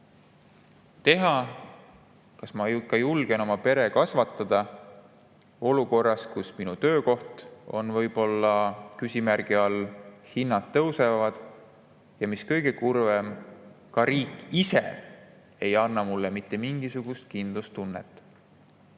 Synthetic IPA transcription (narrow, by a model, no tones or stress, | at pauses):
t̪e̞ɦɑ | kɑsmɑukːɑjulɡ̥e̞no̞mɑpe̞ɾe̞kɑsvɑt̪ːˑɑd̪̥ɑ | o̞luko̞rːɑskusminut̪ø̞ːko̞ht̪o̞̰nvɤ̞jb̥o̞lːɑkysʲimærɡ̥iɑlːhinːɑt̪ːɤwse̞vɑd̪̥ | jɑmiskɤ̞jɡ̥e̞kurvem | kɑɾiːkːˑisḛ | ejɑnːɑmulːemit̪ːˑe̞miŋɡisuɡ̥ust̪̚kind̪̥lust̪ːunːḛt̪ːˑ